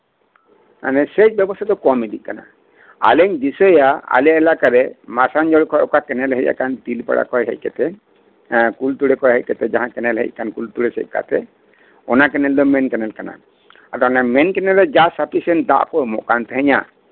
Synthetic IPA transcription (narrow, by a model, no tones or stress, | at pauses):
na̰nɛsɛt͡ʃ̚bjɛbɔst̪ʰad̪ɔkɔmid̪iʔ̚kana̰ | a̰lɛɲd̪isɔjaa̰lijaɛlakaɾɛmasand͡ʒɔɽkʰɔjɔkakɛnɛlɦɛcja̰kant̪ilpa̰ɽa̰kɔjɦɛ̰c̚kɛt̪ɛ | kult̪uɽɛkɔjɦɛc̚kɛt̪ɛd͡ʒaɦãkɛnɛlɦɛ̰c̚kankult̪uɽɛsɛ̰c̚ˀka̰t̪ɛ | ɔnakɛnɛld̪ɔmɛnkɛnɛlkana̰ | at̪ɔnɛmɛnkɛnɛlɛd͡ʒasapʰisɛnd̪a̰ʔkɔjmɔ̰ʔkant̪ɛɦɛɲa̰